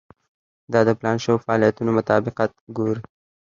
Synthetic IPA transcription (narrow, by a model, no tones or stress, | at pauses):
d̪ɑd̪əplɑnʃəwofaːlijat̪unomʊt̪ɑbɪqɑt̪̚ɡoɾi